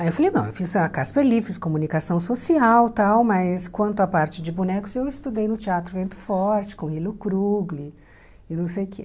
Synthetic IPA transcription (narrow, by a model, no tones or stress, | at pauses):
ajewfalejnɐ̃w̃ewfizɐkaspeɾlifɾɪskomunikasɐ̃w̃sosiawt̪awmɐskwɐ̃nt̪ʊapaɾt͡ʃɪd͡ʒɪbunɛkʊzewɪst̪ud̪ejnʊt͡ʃiat̪ɾʊvẽnt̪ʊ̥fɔɾt͡ʃɪ̥kõilʊkɾuɡli | ɪnɐ̃w̃sejʊkʰḛ